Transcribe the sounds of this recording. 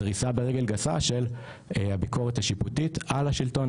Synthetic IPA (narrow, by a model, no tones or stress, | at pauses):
ʁisabeʁeɡe̞lɡasa̰ʃe̞l | habiko̞ʁet̪haʃiputit̪alaʃilto̞